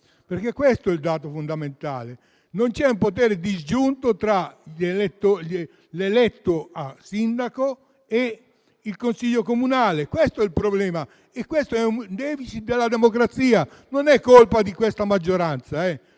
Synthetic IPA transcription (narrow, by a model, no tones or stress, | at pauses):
perk̟ekːwest̪oɛld̪aːt̪ofond̪ament̪aːle | nont͡ʃɛumpot̪ɛːɾed̪izd͡ʒunt̪ot̪ɾaʎelɛt̪ːoe | lelɛt̪ːoasːind̪ako | e | ilkonsiʎːokomunaːlekwest̪oɛilpɾoblɛːma | ekːwest̪oɛund̪ɛːfit͡ʃid̪elːad̪emokɾat̪siːa | nonɛkːolpad̪ikwest̪amad͡ʒːoɾant̪saɛ